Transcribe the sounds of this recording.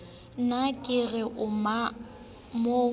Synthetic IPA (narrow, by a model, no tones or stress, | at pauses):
nakʼɪɣɛʔʊma | mo